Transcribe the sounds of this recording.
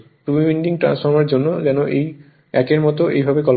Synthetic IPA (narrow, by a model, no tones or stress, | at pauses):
ʈubibiɳɖiŋʈɾa̰nsfʰɔɾmaɾd͡ʑonːod͡ʑɛnoʔej | ɛkeɾmɔt̪oʔḛjbʱabekɔl